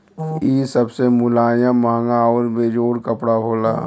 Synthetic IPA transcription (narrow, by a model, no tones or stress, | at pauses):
iːsəbsemʊlaːjãmãːŋɡaɔːɾbeːd͡ʒoːɾkəpɽaɦoːla̰ː